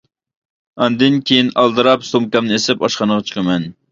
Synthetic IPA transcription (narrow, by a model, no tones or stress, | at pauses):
ɑnd̪ɨnkʲʰejinɑlˠd̪ɨɾɑpsomkɑmnɨesɪpɑʃqɑnəʁɑt͡ʃʰə̥qʰəmɛn